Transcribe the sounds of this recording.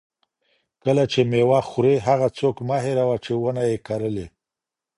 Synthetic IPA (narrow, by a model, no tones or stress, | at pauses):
kəlat͡ʃemewɑxʊɾeɦaɣat͡sokmaɦeɾawat͡ʃewənajekaɾəle